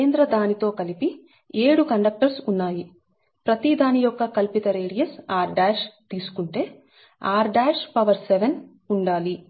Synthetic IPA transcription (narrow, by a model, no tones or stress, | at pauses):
nd̪ɾɐd̪aːnit̪o̞ːkɐlipi | eːɽukɐɳɖɐk̚ʈɐɾsunːaːji | pɾɐt̪id̪aːnijɔkːɐkɐlpit̪ɐɾeːɽijɐsaːɾɖaːʃt̪iːsu̥kuɳʈe̞ː | aːɾɖaːʂpɐʋɐɾseʋen | uɳɖaːli